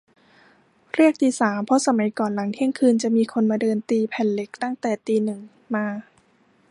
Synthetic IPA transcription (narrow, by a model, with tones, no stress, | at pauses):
ɾi˥˩ək̚t̪iː˧saː˩˦mpʰɔ˦˥sa˧ma˩˦jkɔː˨˩nla˩˦ŋt̪ʰi˥˩əŋkʰɯː˧nt͡ɕa˨˩miː˧kʰo˧nmaː˧dɤː˧nt̪iː˧pʰɛ˨˩nle˦˥k̚t̪a˥˩ŋt̪ɛː˨˩t̪iː˧nɯ˨˩ŋ | maː˧